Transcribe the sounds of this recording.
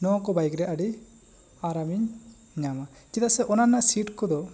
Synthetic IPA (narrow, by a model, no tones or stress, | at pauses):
nɔãkɔbajɡɾɛʔaɽi | aɾamiɲ | ɲama | t͡ʃit̪asɛʔɔnanaʔsiʈkɔd̪ɔ